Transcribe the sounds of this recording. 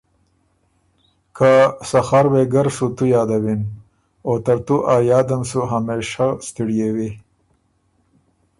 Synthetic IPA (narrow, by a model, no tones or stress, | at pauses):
kʰasaxaɾweɡaɾsut̪ujɑːd̪awin | ot̪aɾt̪uʔajɑːd̪amsuɦameːʃast̪iɽjewi